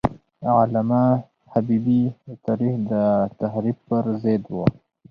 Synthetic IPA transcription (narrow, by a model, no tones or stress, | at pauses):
ʕalama | habibit̪aɾihd̪ət̪aɦɾib̚pəɾzed̪wə